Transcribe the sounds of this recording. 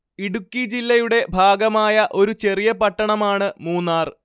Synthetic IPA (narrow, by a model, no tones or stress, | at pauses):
iɽukːid͡ʑilːɐjuɽe̞bʱaːɡɐmaːjɐʔo̞ɾut͡ɕe̞rijɐpɐʈːɐɳɐmaːɳɨmuːnːaːr